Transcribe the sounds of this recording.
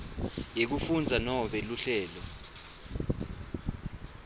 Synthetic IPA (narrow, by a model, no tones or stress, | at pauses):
jek̬ufund͡zʱanɔɓɛluɬɛːlɔ